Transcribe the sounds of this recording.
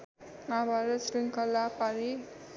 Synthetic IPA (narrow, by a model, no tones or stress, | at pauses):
nabaɾʌsɾiŋkʌlːapaɾi